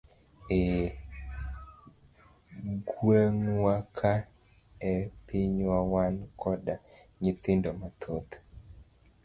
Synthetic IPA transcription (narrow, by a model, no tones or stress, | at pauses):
e | ɡweŋwakʰa | ɛpiɲwawankʰɔdaɲɪt̪ɪndomat̪ʰot̪